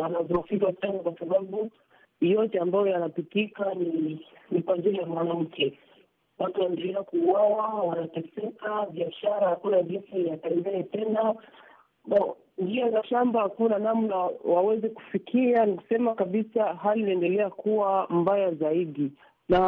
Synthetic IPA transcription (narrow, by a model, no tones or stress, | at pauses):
wanavɔfikasanakwasaɓaɓu | jɔtɛambajɔjanapitikani | nikwaʄiɾijamwanam̩kʰɛ | watuwandɛlɛakuːwawawanatɛsɛkaviaʃaɾahakunaʄinsijatanzɛɛtɛna | ɔ | ndiɔnaʃambahakunanamnawawɛzɛku̥fikʰianiku̥sɛmakaɓisaɦalinaɛndɛlɛakuwambajazaiɗi | na